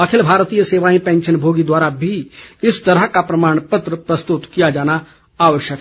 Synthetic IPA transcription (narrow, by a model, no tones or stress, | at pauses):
ɐkʰɪlbʱaːɾt̪ijəseːʋaːĩpɛ̃ːnʃənbʱoːɡid̪waːɾabʱiɪst̪ɐɾəɦkapɾɐmaːɽ̃pət̪ɾəpɾɐst̪ʊt̪kijad͡ʒaːna | aːʋəʃjəkː